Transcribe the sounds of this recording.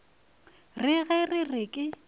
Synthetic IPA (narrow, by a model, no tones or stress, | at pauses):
rɪɣɛrɪrɪkʼɪ